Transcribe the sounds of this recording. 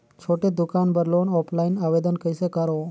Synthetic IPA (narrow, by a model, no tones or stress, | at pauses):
t͡ʃʰoʈed̪ukanbəɾlonɔpʰlainaʋed̪ənkəjsəkaɾo